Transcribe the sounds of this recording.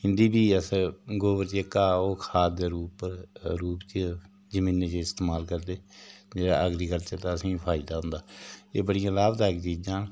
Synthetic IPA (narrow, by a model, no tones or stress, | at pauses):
hɪnd̪iːbʱiːəsɡoːbəɾt͡ʃeːkaːoːkʰaːd̪eːɾuːpəɾɾuːpt͡ʃə | d͡ʒəmĩːnet͡ʃəɪst̪eːmaːlkəɾd̪eːd͡ʒeːɽa̰ːʔəɡɾiːkəlt͡ʃəɾt̪ãːəsĩːpʰaːɪd̪aːɦʊ̃nd̪aːeːbəɽɪjãːlaːbd̪aːɪkt͡ʃiːd͡ʒãːn